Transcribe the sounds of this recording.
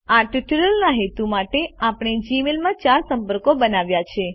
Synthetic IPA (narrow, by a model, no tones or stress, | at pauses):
aʈiʈiɾəlnaɦet̪umaʈeapɳ̃ed͡ʒimelmãt͡ʃaɾsəmpəɾkobənaʋjat͡ʃʰe